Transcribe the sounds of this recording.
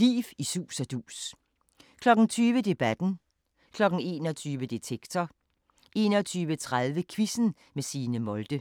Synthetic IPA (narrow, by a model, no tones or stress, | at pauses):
lḭːfisṵːsɒd̥ṵːs | kʰlɒ̽ɡ̥n̩t͡sʰyːʋəd̥e̝b̥æd̥n̩ | kʰlɒ̽ɡ̥̩e̝ːnɒt͡sʰyːʋəd̥et͡sʰeɡ̥t͡sʰɒ | ʔe̝ːnɒt͡sʰyːʋət͡sʰʁaðˠʋəkʰʋisn̩ | mesiːnəmɔ̽ld̥ə